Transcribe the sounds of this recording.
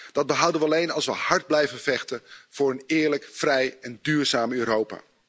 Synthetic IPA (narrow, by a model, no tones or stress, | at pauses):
d̥ɑd̚bəɦʌwdənʋəɑlejnɑlˠsʋəhɑɹd̚blɛjvənvɛχtənv̥ʊːɹənɪːɹləkfrɛjɛndyːɹzaːmøːɾowpa̰ː